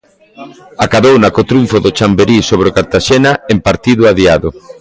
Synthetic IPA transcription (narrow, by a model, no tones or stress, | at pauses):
akaðownɐkot̪ɾuɱfʊðot͡ʃambeɾisoβɾeokaɾt̪aʃenɐempaɾt̪iðʊaðiaðʊ